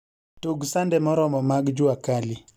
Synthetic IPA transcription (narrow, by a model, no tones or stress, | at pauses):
toɡsandɛmɔɾɔmɔmaɡd͡ʒʊakali